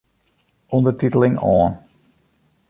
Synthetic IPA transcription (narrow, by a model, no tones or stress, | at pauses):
ʔɔndərtitəlˠɪŋɔ̰ːn